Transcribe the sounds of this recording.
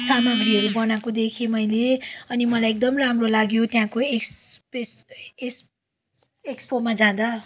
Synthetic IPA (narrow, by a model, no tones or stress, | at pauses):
samaɡriʌɾubʌnakod̪ekʰemʌjleʌnimʌlajek̚d̪ʌmramrolaɡjot̪jãkoekspeses | ekspomad͡zãd̪a